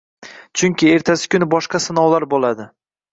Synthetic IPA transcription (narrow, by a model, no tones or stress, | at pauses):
t͡ʃʰʊŋkʲɪe̞ɾt̪ʰasɪ̥kʲʊnɪbɒʃqɑsɪnɒwlaɾbolad̪ɪ